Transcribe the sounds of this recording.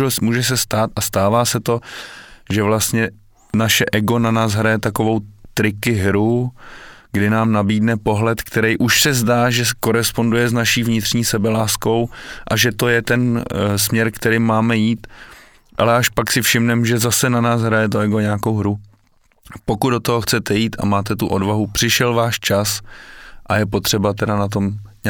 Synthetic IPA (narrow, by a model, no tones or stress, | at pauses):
muːʒɛs̬ɛst̪aːt̪ʔast̪aːvaːsɛt̪o̞ | ʒɛvlast̪ɲɛ | naʃɛʔɛɡo̞nanaːsɦɾajɛt̪ako̞vo̞wt̪ɾɪkɪɦɾu | ɡdɪnaːmnabiːdnɛpo̞ɦlɛt̪kt̪ɛɾɛjʔuʃsɛzdaːʒɛko̞ɾɛspo̞ndujɛznaʃiːvɲɪt̪r̥ɲiːsɛbɛlaːsko̞wʔaʒɛt̪o̞jɛt̪ɛnsmɲɛɾkt̪ɛɾɪmaːmɛjiːt̪ | ʔalɛʔaʃpaksɪfʃɪmnɛmʒɛzasɛnanaːsɦɾajɛt̪̬oɛɡoɲaːko̞wɦɾu | po̞kudot̪oɦoxt͡sɛt̪ɛjiːt̪a̰maːt̪ɛt̪uʔo̞dvaɦupr̝̥ɪʃɛlvaːʃt͡ʃas | ʔajɛp̬o̞t̪r̝̥ɛbat̪̬ɛdanat̪̬o̞mɲ